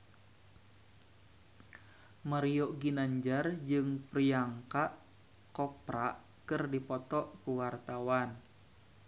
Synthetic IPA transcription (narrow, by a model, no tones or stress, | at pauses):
maɾijoʔɡinaɲd͡ʒard͡ʒɨŋpɾiaŋkaʔ | kɔpɾaʔ | kɨrdipɔt̪ɔʔkuwart̪awan